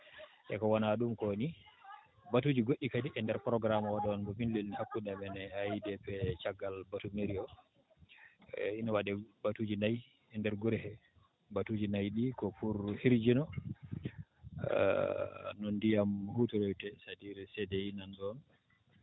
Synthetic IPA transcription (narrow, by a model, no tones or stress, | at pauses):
ʔɛ̰kɔwanaɗumkɔni | batud͡ʒiɡoʔʲikadiʔɛndɛɾpɾɔɡɾamawaɗɔnbɔminlilnihakːunamɛnɛhajdɛpɛt͡ʃaɡːalbatumeɾiɔ | inawaɗɛbatud͡ʒinaj | ɛndɛɾɡuɾɛhɛ | batud͡ʒinajɗikɔfuɾhiɾd͡ʒinɔ | nɔndijamhutuɾɔjtɛsadiɾisɛdɛjinandɔn